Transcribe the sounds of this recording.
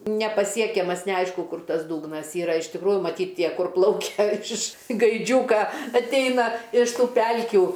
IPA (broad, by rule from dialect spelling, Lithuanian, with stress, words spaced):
nʲɛpɐˈsʲiɛkʲɛmɐs nʲɛˈɐɪʃkʊ ˈkʊr ˈtɐs ˈduːɡnɐs ˈiːrɐ ɪʃ tʲɪkˈruːjʊ mɐˈtʲiːt ˈtʲiɛ ˈkʊr ˈplˠɐʊkʲɛ ɪʃ ɡɐɪˈd͡ʒʲuːkɐ ɐtʲˈɛɪnɐ ɪʃ ˈtuː ˈpʲɛlʲkʲuː